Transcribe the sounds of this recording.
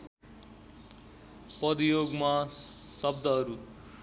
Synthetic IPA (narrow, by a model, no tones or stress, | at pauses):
pʌd̪ijoɡmasʌb̚d̪ʱʌɦʌɾu